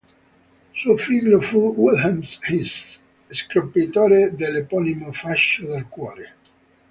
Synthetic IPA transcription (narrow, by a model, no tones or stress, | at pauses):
sufiɣlofuwilamshis | eskɾopit̪ɔɾed̪elepɔlimofaʃoðelkwɔɾe